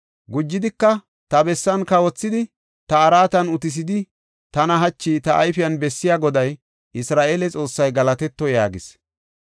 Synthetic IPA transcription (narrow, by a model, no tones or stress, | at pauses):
ɡʊd͡ʒːɪd̪ɪkːɐ | t̪ɐbɛsːɐnkɐwɔt͡sːɪd̪ɪ | t̪ɐːɾaːt̪ɐnʊt̪ɪs̬ɪd̪ɪ | t̪ɐnɐɦɐt͡ʃːiːt̪ɐʔːjfɪjɐnbɛsːɪjaːɡɔd̪ɐj | ʔɪsɾaːʔeːlɛt͡sʼo̞ːsːɐjɡɐlɐt̪ɛt̪ːɔjaːɡɪs